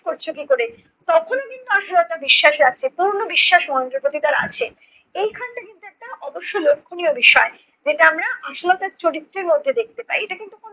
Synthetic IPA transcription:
koɾt͡ɕʰokikoɾe | t̪ɔkʰonekint̪uaʃalat̪abiʃːaʃɾat͡ɕʰepuɾnobiʃːaʃmɔend̪ɾopot̪it̪aɾa̰a̰t͡ɕʰe | ejkʰanʈakint̪uɛk̚ʈaʔɔboʃːolokʰːoniobiʃɔe | d͡ʑeʈaamɾaʔaʃolat̪aɾt͡ɕoɽit̪ːɾeɾmod̪ʱːed̪ek̚t̪epaieʈakint̪ukon

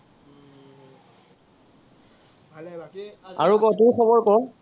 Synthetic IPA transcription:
a̰ɹukɔtʊɹxʰɔbɔɹkɔ

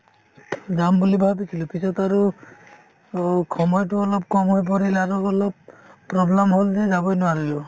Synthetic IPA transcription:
dambulibʱabik̪ʰilupisɔtaɹu | kʰɔmɔjtʊɔlɔp̚kɔmɦɔjp̬ɔɾilaɾuɔlɔp̚pːɹɔblemɦolzɛzabɔjnʊwaɾijo

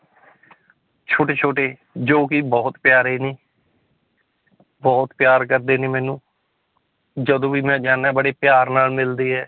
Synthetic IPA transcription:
t͡ʃʰoːʈeːt͡ʃʰoːʈeː | d͡ʒoːkiːbɔːt̪pjaːɾeːnĩː | bɔːt̪pjaːɾkəɾd̪eːnẽːmɛ̃ːnũː | d͡ʒəd̪õːʋiːmɛ̃ːd͡ʒaːnaːbəɽeːpjaːɾnaːlmɪld̪eːɦɛː

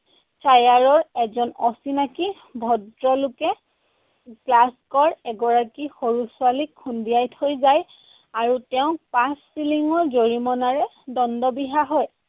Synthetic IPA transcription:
tajaɹɔɹɛzɔnɔsinaki | bʱɔdɹɔlʊkɛ | ɡlaskɔɹɛɡɔɹakixoɹusʊalikʰːundiajtʰojzaj | aɹutɛʊ̃pasːiliŋɔɹzoɹimɔnaɹɛ | dɔndɔbiɦaɦɔj

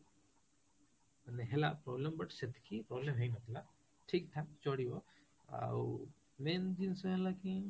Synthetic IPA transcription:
əneɦelapɾoblembəʈsɪt̪ʰkʰipɾoːblemɦeinɐk̪ʰla | ʈʰiːk̚t̪ʰaːkt͡ʃoːɽio | a̰ | meːnd͡ʒinsoelakĩ

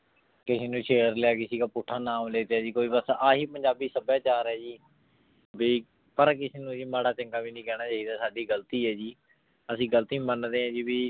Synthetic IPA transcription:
kɪseːnũːt͡ʃʰeːɾlɪaːkɪsiːkaːpʊʈʰːaːnaːmleːt̪ːaːd͡ʒiːkoːiːbəsaːɦiːpəɲd͡ʒaːbiːsəbaːt͡ʃaːɾɛːd͡ʒiː | biː | pəɾkɪseːnũːd͡ʒiːmaːɽaːt͡ʃə̃ŋkaːbiːnĩːkɛːɽ̃aːt͡ʃaːiːd̪aːsaːɖiːɡəlt̪iːɛːd͡ʒiː | əsĩːɡəlt̪iːmənd̪eːãːd͡ʒiːbiː

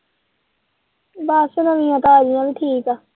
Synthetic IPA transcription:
baːsənəʋĩjãːt̪aaːd͡ʒɪjãːʋiːʈʰiːkaː

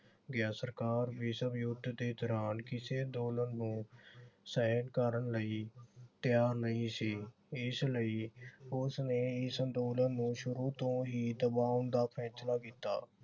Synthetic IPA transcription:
ɡjaːsəɾkaːɾʋiːsəbjʊd̪d̪eːd̪ɔːɾaːnkɪseːd̪oːlənːũːsəːənkaːɾəɳləiːt̪jaːɾnəĩːsiː | ɪsləiːʊsneːɪsənd̪oːlənːũːʃʊɾuːt̪õɦiːd̪əbaːʊnd̪aːpʰɛ̃ːt͡ʃlaːkiːt̪a̰ː

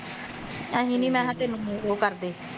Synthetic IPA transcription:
ãːɦĩːnĩːmɛ̃ːɦãːt̪eːnũːũːoːkəɾd̪eː

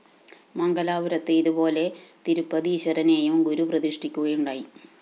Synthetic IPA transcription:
mɐŋɡɐlaːʋuɾɐt̪ːɨiðubo̞ːle̞t̪iɾupːɐðiɕɐɾɐne̞ːjumɡuɾuprɐðiʂʈikʲːuɣɐjuɳɖaːji

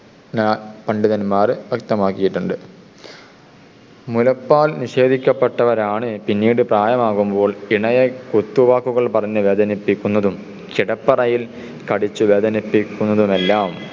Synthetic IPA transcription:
nːpɐɳɖiðɐnmaːrɨʋɐk̚t̪ɐmaːkːijiʈːuɳɖɨ | mulɐpːaːlniʂe̞ːd̪ʱikʲːɐpːeʈːɐʋɐɾaːɳɨpinːiːɽɨpraːjɐmaːɣumbo̞ːɭiɳɐjɐkut̪ːuʋaːkːuɣɐɭpɐrɐɲːɨʋeːd̪ʱɐnipːikʲːunːɐðum | kiɽɐpːɐrɐjil | kɐɽit͡ɕːuʋeːd̪ɐnipːikʲːunːɐðume̞lːaːm

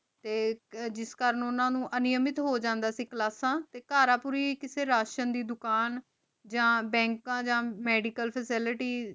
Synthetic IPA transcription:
t̪eːd͡ʒɪskəɾənʊnãːnũːʔənɪjəmɪt̪ɦoːd͡ʒãːnd̪aːsiːklaːsãːt̪eːkaːɾaːpʊːɾiːkɪseːɾaːʃənd̪iːd̪ʊkaːn | d͡ʒãːbɛ̃ːŋkãːd͡ʒãːmɛːɖiːkəlpʰəsɪlɪʈiː

